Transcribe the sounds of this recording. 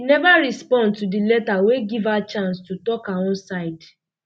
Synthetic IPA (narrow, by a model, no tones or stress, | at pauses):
inɛvaɾispɔ̃ndtudilɛtaweɡivat͡ʃãnstutɔkaɔ̃nsaɪd